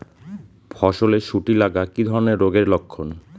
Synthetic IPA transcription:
bʰɔʃoleʃʰuʈilaɡakid̪ʱɔɾoneɾːoɡeɾlokʰːon

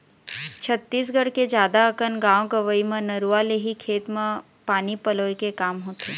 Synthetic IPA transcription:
t͡ʃʰət̪ːiːs̬ɡəɽked͡ʒjaːd̪aəkənɡãːʋõɡəʋəimə̃nɐɾualeɦikʰeːt̪mẽ | paːnipɐloːikekaːmɦoːt̪eː

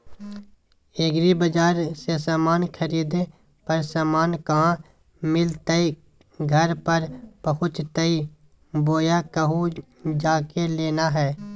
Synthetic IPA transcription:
eːɡɾibəd͡ʒaːɾsesaːmaːnkʰəɾiːd̪e | pəɾsaːmaːnkaɦã | mɪlt̪əi | ɡʱəɾpəɾpəɦʊt͡ʃt̪əi | boːjakəɦu | d͡ʒaːkeleːnaɦɛː

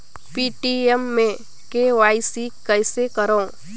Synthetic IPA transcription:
piːʈiemːẽ | keʋaːisikɛɪsekəɾaõ

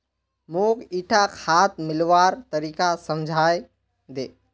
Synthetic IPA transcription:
moːkiːʈʰakʰaːt̪̚mɪlʋaːɾt̪əɾiːkasəmd͡ʒʱaːje | d̪eː

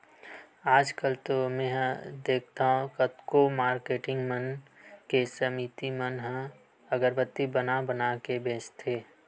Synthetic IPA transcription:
aːd͡ʒkəlt̪omɛ̃ːɦd̪eːkʰt̪aːɦũkət̪komaːɾkeːʈɪ̃ŋɡmənkesəmit̪imənɦə̃ | əɡəɾbət̪ːibənabənakebẽːt͡ʃt̪ʰeː

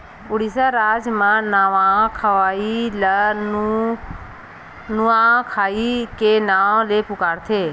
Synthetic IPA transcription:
ʊɽisaɾaːd͡ʒmãnaːʋãkʰəʋaːilə | nuãkʰaːikenaːleːpʊkaːɽt̪ʰeː

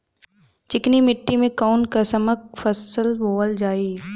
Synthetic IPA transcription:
t͡ʃɪknimɪʈːimẽkaːnkɐsɐmək̚fəsəlboːəld͡ʒaːiː

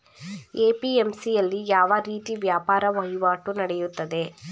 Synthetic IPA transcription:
eːpiemsijɐlːijaːʋɐɾiːt̪iʋjaːpaːɾɐʋɐɦjuʋaːʈunɐɽejut̪ːɐd̪e̞

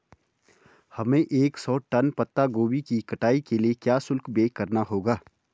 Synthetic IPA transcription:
hɐmẽʔeːksɔːʈɐnpɐt̪ːaɡoːbikikɐʈaːikeliekjaːsʊlkbeːkɐɾnaɦoːɡaː

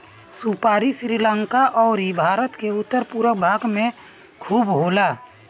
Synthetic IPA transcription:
supaːɾisɾiːlə̃ŋkaʔɔːɾibʱaːɾət̪keʊt̪ːəɾpuɾəbʱaːɡmẽ | kʰuːbɦoːlaː

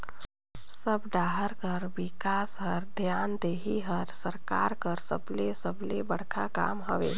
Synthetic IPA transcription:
səbɖaːɦəɾkəɾbikaːsɦəɾd̪ʱjaːnd̪eːɦiɦəɾsəɾka̰ɾkəɾsə̰blesəblebəɽ̤kʰaka̰ːmɦəʋḛ

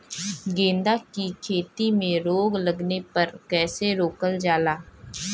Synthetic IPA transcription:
ɡẽːnd̪aːkiːkʰeːt̪iːmẽːɾoːɡləɡnepəɾkɛːseɾoːkəld͡ʒaːlaː

